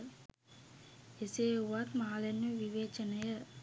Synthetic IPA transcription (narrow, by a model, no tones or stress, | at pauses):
eseːuʋat̪maːlɐnːuʋiʋeːt͡ʃɐnɐjɐ